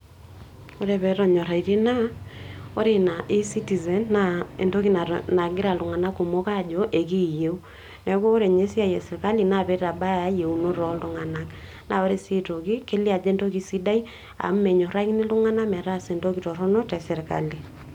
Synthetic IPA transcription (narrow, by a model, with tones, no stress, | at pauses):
o˦ɾe˨βɛ˨ɾɔ˨ɲɔ˨ɾa˨i˨ɾe˦na˦ | o˦ɾe˨na˨ʔe˦si˦ti˨zɛ˨nːa˦e˨nto˦ki˦na˨na˨ɡɪ˦ɾa˨lʊ˨ŋa˨na˦ko˨mo˦ka˦d͡ʒo˨ʔe˨ki˦˨je˦u˦ | nɛ˨˦koː˦ɾe˨ɲe˦si˦a˦˨jɛ˨sɪ˨ɾka˦li˨na˦bɛ˦ɾa˨ba˦˨a˦je˨u˨no˦ɾɔ˨lʊ˦ŋa˨na˦k | na˦o˦ɾe˦sɪ˦to˨ki˦ke˦li˦a˨d͡ʒɛ˦nto˦ki˨si˦da˦i˦ | a̰˨m˦mɛ˨ɲɔ˨ɾa˦knɪ˦lʊ˦ŋa˦na˦mɛ˨ɾa˦˨se˨ndo˦ki˨tɔ˨ɾɔ˦nɔ˦tɛ˨sɛ˨ɾka̰˨li˨